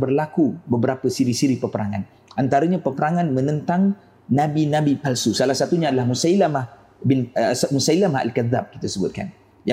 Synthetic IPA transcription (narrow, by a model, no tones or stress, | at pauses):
bərlakubəbəɾapəsiɾisiɾipərpəɾaŋa̰n | ʔant̪aɾəɲapəpəɾaŋanmə̃nənt̪aŋ | nãbinãbipalsusalahsat̪uɲaːdalahmusailamah | bɪnsmusailamaa̰lkaðːap̚kit̪asəbʊt̪̚ka̰n | ja